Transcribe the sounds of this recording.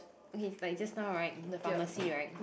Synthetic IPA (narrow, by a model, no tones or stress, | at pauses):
okʰelaɪk̚d͡ʒasnaʊɹaɪt̚dəfaməsiɹaɪt̚m